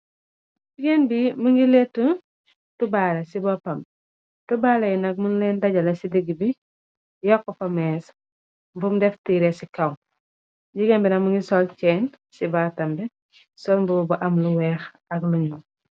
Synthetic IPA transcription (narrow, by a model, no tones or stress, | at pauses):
ɟiɡɛnbimuŋɡilɛtːə | tubaːlɐsibɔpɐmb | tubaːlɐjinɐk̚munlɛndɐɟɐlɐsidiɡibi | jɔkːɔfɐmɛːs | mbumdɛftiːɾɛsikɐŋ | ɟiɡɛnbinɐmuŋɡisɔlt͡ʃɛːn | sibaːtɐmbɛ | sɔlbubɐʔɐmluwɛːx | ɐkluɲu